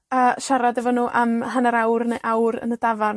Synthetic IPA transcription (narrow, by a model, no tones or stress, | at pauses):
əːʃaɾadɛvɔnuːʔamɦanaɾawrneʔawɾə̰nədavarn